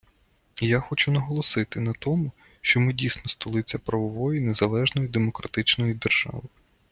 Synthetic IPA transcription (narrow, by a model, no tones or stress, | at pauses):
jaxɔt͡ʃʊnɐɦɔlˠɔsɪt̪ɪnɐt̪ɔmʊ | ʃt͡ʃɔmɪdʲijsnɔst̪ɔlˠɪt͡sʲːɐpɾɐʋɔʋɔjinezɐlˠɛʒnɔjid̪emɔkɾɐt̪ɪt͡ʃnɔjid̪erʒ̥ɑ̰ʋɪ